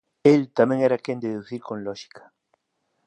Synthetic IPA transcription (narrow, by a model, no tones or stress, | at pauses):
elt̪amɛ̃ŋɛɾakend̪eðuθiɾkõŋlɔʃi̥kʰɐ̥